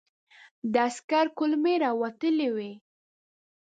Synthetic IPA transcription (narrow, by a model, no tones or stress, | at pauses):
d̪əaskaɾkʊlmeɾɑwat̪əlewe